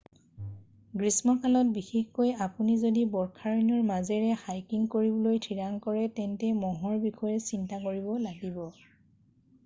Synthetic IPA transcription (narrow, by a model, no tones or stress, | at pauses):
ɡɹismɔkʰalɔt̚bixexkojapunizodibɔɹkʰaɹinɔɹmazɛɹɛhajkiŋkoɹibɔlojtʰiɹaŋkɔɹɛtɛntɛmɔɦɔɹbixɔjɛsintakoɹibɔlaɡibɔ